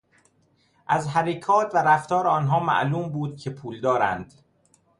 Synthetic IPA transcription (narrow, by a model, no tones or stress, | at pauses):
ʔæzɦæɾekʰɒːt̪ʰvæɾæft̪ɒːɾeɒːnɦɒːmæ̰ʔluːmbuːd̪̥̚cʰe̞pʰuːld̪ɒːɾæ̰nd̪̥